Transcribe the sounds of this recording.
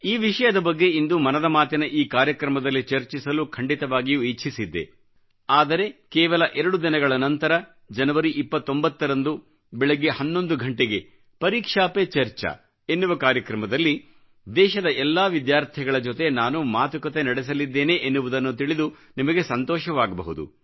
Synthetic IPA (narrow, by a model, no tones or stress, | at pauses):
iːʋiʂɐjɐd̪ɐbɐɡːe̞ind̪umɐnɐd̪ɐmaːt̪inɐʔiːkaːɾjɐkɾɐmɐd̪ɐlːit͡ʃɐɾt͡ʃisɐlukʰɐɳɖit̪ɐʋaːɡijuiʃʰisid̪ːe̞̰ | aːd̪ɐɾe̞kɛːʋɐlɐʔɛɾɐɽud̪inɐɡɐɭɐnɐnt̪ɐɾɐ | d͡ʒɐnɐʋɐɾiʔipːɐt̪ːo̞mbɐt̪ːɐɾɐnd̪u | bɛɭiɡehɐnːo̞nd̪uɡʱɐɳʈeɡe̞ | pɐɾiːkʂaːpet͡ʃɐɾt͡ʃɐ̰ | enːuʋɐkaːɾjɐkɾɐmɐd̪ɐlːi | d̪ɛːʃɐd̪ɐʔɛlːaːʋid̪jaːɾt̪ʰiɡɐɭɐd͡ʒot̪e̞naːnumaːt̪ukɐt̪enɐɽes̬ɐlid̪ːe̞ːneʔenːuʋud̪ɐnːut̪iɭid̪u | nimɐɡe̞sɐnt̪ɔːʃɐʋaːɡɐbɐ̰ɦud̪ṵ